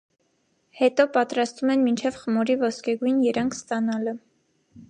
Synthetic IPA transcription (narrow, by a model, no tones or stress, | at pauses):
hɛt̪ɔpɑt̪ɾɑst̪vumɛnmint͡ʃʰɛvχəmɔɾivɔskɛɡujnjɛɾɑŋkʰst̪ɑnɑlə